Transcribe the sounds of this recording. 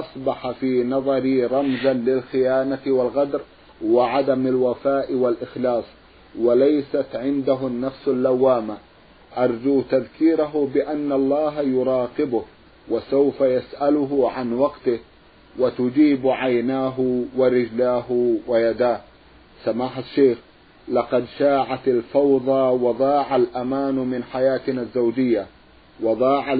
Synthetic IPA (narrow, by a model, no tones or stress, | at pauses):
ʔɑsˤbɑħafiːnɑðˤɑɾiɾˤɑmzanlɪlxɪjaːnawalɣɑd̪ɾ | wɪʕad̪amalwafaːʔɪwalʔɪxlɑːsˤ | walajsat̪ʕɪnd̪aɦʊnːafsalːawːaːma | ʔɑɾˤd͡ʒuːt̪aðkiːɾaɦʊbɪʔanːalˤːɑːɦjʊɾˤɑːqɪbʊh | wasawfajasʔalʊɦʊʕanwɑɡt̪ɪ | wɪt̪ʊd͡ʒiːbʕajnaːɦʊwɪɾɪd͡ʒlaːhwɪjad̪aːh | samaːħaʃːeːx | lɑqɑd̪ʃaːʕat̪alfɑwðˤɑwɑd̪ˤɑːʕalʔamaːnmɪnħajaːt̪nazːawd͡ʒɪjːa | wɑd̪ˤɑːʕa